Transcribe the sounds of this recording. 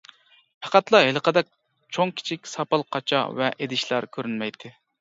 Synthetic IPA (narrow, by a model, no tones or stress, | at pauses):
pʰæqæt̪lˠɑɦelˠəqəd̪ɛk̚ʲ | t͡ʃʰoŋkʲʰi̥t͡ʃʰikʲsɑpɑlˠqʰɑt͡ʃʰɑ̰vɛʔed̪ɪʃlˠɑɾkʲʰøɾynmɛjt̪ʰɪ